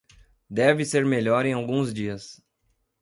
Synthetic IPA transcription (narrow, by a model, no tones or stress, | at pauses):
d̪ɛvɪseɾmeʎɔɾẽj̃awɡũzd͡ʒiɐs